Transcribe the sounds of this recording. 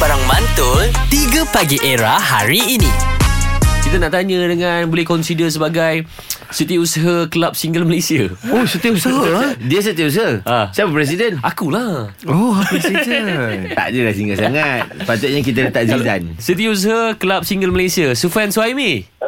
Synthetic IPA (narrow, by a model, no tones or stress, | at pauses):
baɾaŋmant̪ʊnt̪iɡəpaɡiʔeɾahaɾiːni | kit̪anaʔt̪aɲə̃dəŋanbolɛhkɔnsidəs̬əbaɡaj | sit̪iusəɦakəlap̚siŋɡəlməlesiaosət̪iəusəɦadiəs̬ət̪iəus̬əhaʔasabəpɾɛs̬idənakulah | ɔpɛsidt̪a̰ʔdəlahsiŋɡəlsaŋat̪̚pat̪ʊt̪̚ɲak̬it̪at̪aʔziza̰nsit̪̬ius̬əɦaklap̚siŋɡəlməlesiasufɛnswajmĩ